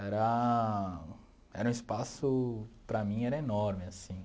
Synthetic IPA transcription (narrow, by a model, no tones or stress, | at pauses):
ɛɾɐ | ɛ̰ɾɐũispasʊpɾɐmĩɛɾɐenɔɾmɪasĩ